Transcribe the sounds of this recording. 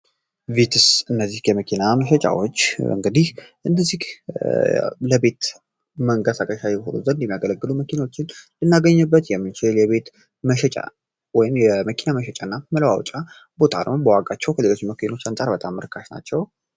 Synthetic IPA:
vet̪ʰɨsɨnːəzːihjɛməkʰinaməʃɛt͡ʃʼa̰wot͡ʃːɨ̰ŋɡɨd̪ihʔɨnːəzːih | ləbe̞t̪ | məŋkəsakʼəʃajɛho̰nṵzənd̪ɛmijaɡələɡːɨluməkʰinawot͡ʃːɪnlɨnːaɡəɲːɨbːət̪jɛmːɨnt͡ʃɪljɛβe̞t̪ | məʃɛt͡ʃʼa̰ | wɔjɪmjɛməkʰinaməʃɛt͡ʃʼanːaməlwawt͡ʃʼa | bo̞t̪ʰaɾmbəwakʼat͡ʃːɛwkʰəle̞lo̞t͡ʃːɪməkʰino̞t͡ʃːant͡sʼaɾbət̪ʼamːɨɾɨkʰːaʃna̰t͡ʃːɛw

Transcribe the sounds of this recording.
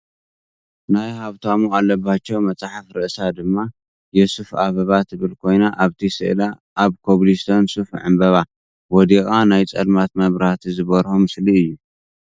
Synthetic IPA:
najhaβt̪ʰamualːɐbːat͡ʃːɛwmɐt͡sʼaħafɾɨʔɨsad̪ɨmːa | jɛsufaβɐβat̪ʰɨβɨlkʰo̞jnaʔaβt̪ʰisɨ̰ʔlaː | βkʰoβlist̪ʰonsufʕɨ̰mbɐβa | wɔd̪ikʼanajt͡sʼɐd̪mat̪mɐβɾhat̪ʰizɨβɐɾomɨsliɨjːu

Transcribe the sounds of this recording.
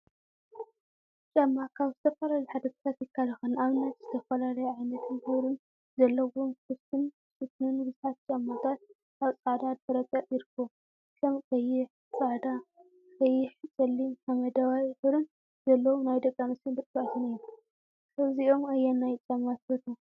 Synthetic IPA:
t͡ʃʼamːakʰaβzɨt̪ʰɐfɐlaljħad̪ɐt̪ʰɨ̥t̪ʰat̪jɪkʰːalɨxɨnaβnɐt̪z̥ɨt̪ʰɐfɐlalɐjʕajnɐt̪ʰɨnhɨβɾɨn | zɐlːɐwomkʰɨst̪ʰɨn | sɨt̪nɨnbɨzuħat̪̚t͡ʃʼamːat̪ʰat̪̚ | kaβt͡sʼaʕd̪ad̪̚fʰɐɾɐt̪ʼɐtʼjɪɾɨkʰːom | kʰɐmkʼɐjɪħ | t͡sʼaʕd̪a | kʼɐjːɪħt͡sʼɐlːimħamɐd̪awajħɨβɾɨn | zɐlːɐwunajd̪ɐkʼːamɐsɨnd̪ɨkʼbat̪ʰɨnɨju | ɨβziʔomajːanːajt͡ʃʼamːat̪fɐt̪ʰu

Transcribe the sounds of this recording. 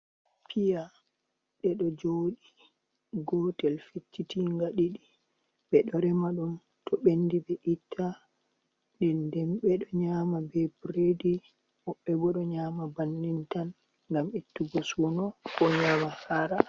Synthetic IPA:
pʰija | ɗɛɗɔd͡ʒoːɗi | ɡɔtɛlfet͡ʃːitiŋɡaɗiɗi | ɓɛɗɔɾɛmaɗun | tɔɓendibɛʔitʰːa | ndɛndɛmɓɛɗɔɲaːmabɛbɾedi | mɔɓːɛbɔɗɔɲaːmabanːintan | ŋɡamitːuɡɔsunɔkɔɲaːmahaːɾa

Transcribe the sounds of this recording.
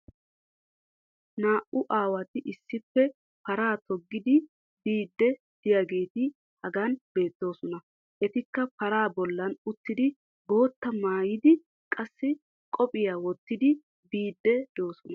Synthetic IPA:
naːʔʊʔaːwɐt̪ɪʔɪsːɪpːɛ | pɐɾaːt̪ɔɡːɪd̪ɪ | biːd̪ːɛ | d̪̥ɪjaɡe̞ːt̪ɪ | hɐɡɐnb̥e̞ːt̪ːo̞ːsɔnɐ | ʔɛt̪ɪkːɐpɐɾaːbɔlːɐnʊt̪ːɪd̪ɪ | ɡo̞ːt̪ːɐmaːjɪd̪ɪ | kʼɐsːɪ | kʼɔpʼɪjawɔt̪ːɪd̪ɪ | biːd̪ːɛd̪̥oːsɔnɐ

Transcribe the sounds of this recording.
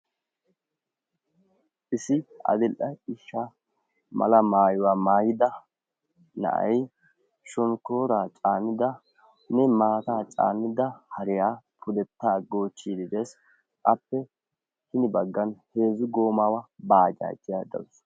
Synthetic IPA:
ʔɪsɪɐ̰d̪ɪlʔɐɪʃːa | mɐ̰lɐmaːjʊwaːmaːjɪd̪ɐ | nɐ̰ʔɐ̰j | ʃɔnkoːɾaːt͡ʃʼaːnːɪd̪ɐ | nɛmaːt̪aːt͡ʃʼa̰ːnːɪd̪ɐhɐɾɪjaːpʰʊd̪ɛt̪ːaːɡo̞ːt͡ʃːiːd̪ɪd̪eːs | ʔɐpːɛ | hɪnɪbɐɡːɐnhe̞ːzʊɡo̞ːmawɐbaːd͡ʒa̰ːt̪ːɪjaːd̪ɐ̰wʊs

